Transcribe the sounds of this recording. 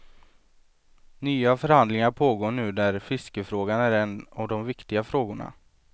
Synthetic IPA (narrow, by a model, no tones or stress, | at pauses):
nyːafœɾhand̪lɪŋaɾpʰoːɡoːɳʉ̟ːd̪æɾfɪskəfɾoːɡanæɾɛnavd̪ɔmvɪkt̪ɪɡafɾoːɡʊɳa̰